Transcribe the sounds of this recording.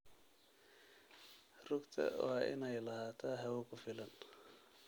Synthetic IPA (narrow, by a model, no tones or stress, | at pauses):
rʊkt̪ʰɐ̰waːʔɪ̰nɛjlɐhaːt̪ʰaɦɐwʊkʰʊfɪlɐn